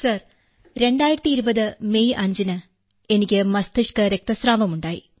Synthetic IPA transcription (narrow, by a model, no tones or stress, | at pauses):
sɐr | ɾe̞ɳɖaːjiɾɐt̪ːiːɾubɐðɨme̞jʔɐɲd͡ʑinɨ | e̞nikʲːɨmɐst̪iʂkɨɾe̞k̚t̪ɐsraːʋɐmuɳɖaːjḭ